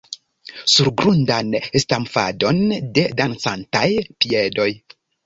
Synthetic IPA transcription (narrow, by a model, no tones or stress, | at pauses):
suɾɡɾundanestamfa̰do̞nde̞dansantajpiedo̞j